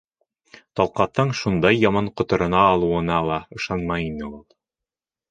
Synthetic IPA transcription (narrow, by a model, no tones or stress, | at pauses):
t̪ɑlˠqɑt̪ːɤɴʃund̪ɑjːɑmɑɴqŏt̪ɤ̆ɾɤ̆nɑːlˠuɤ̆nɑlˠɑɤ̆ʃɑnmɑjinɘlˠolˠ